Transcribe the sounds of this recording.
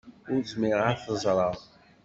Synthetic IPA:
ʊɾzmɪʁaɾθəzˤɾˤɑðˤ

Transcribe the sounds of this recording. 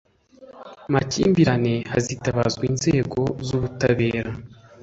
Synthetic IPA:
macḭːmbiɾane̞hazitaβazɡwiːnze̞ːɡo̞zuβutaβe̞ːɾa

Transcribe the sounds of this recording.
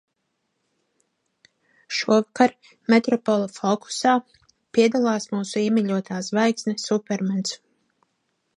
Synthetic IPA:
ʃuɔvakaɾ | met̪ɾɔpɔlˠafɔku̥saː | piɛd̪alˠɑːsmuːsuiɛmiʎʲuɔt̪ʰaːzvajksnʲɛsupʲɛɾmɛns

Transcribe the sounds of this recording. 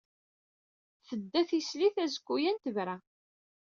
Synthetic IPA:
θəd̪ːæθisliθæzəkʷːujænt̪əvɾæ

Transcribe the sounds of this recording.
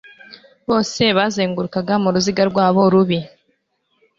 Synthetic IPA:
βo̞ːse̞βaːzeːŋɡuɾukaɡamuɾuziɡaɾɡwaːβo̞ɾuβi

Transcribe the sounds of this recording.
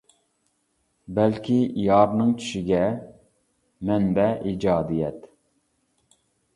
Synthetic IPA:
bɛlkʲʰijɑːɾnɨŋt͡ʃʰy̥ʃiɡʲɛ | mɛnbɛʔid͡ʒɑːd̪ijɛt̪

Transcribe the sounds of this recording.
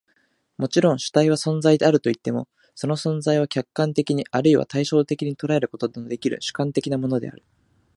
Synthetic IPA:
mo̞t͡ɕiɾõ̞ɰ̃ɕɨ̥t̪aiβ̞asõ̞nd͡zaid̪e̞aɾɯ̟t̪o̞it̪ːe̞mo̞̰ | so̞no̞sõ̞nzaiβ̞akʲakːãnt̪e̞kʲiɲ̟iʔaɾɯ̟iβa̰t̪aiɕo̞ːt̪e̞kʲiɲ̟it̪o̞ɾae̞ɾɯ̟ko̞t̪o̞d̪emod̪e̞kʲiɾɯ̰ɕɨ̥kãnt̪e̞kʲinamo̞no̞d̪e̞̰a̰ɾɯ̟

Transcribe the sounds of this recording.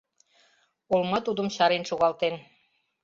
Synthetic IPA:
olmɑt̪ud̪ə̆mɕɑɾenʃoɣɑlt̪en

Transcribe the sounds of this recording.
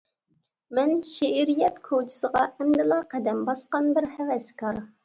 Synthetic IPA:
mɛnʃeʔiɾijɛt̪kʰod͡ʒ̪ʰɪ̥səʁɑɛmd̪ɨlˠɑqæd̪ɛmbɑsqɑnbɪɾhɛvɛskɑɾ

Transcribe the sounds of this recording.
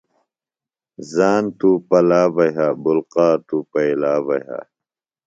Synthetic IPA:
zaːnt̪uːpɐlaːbɐɦaːbulqaːt̪upɐilaːbɐɦa̰

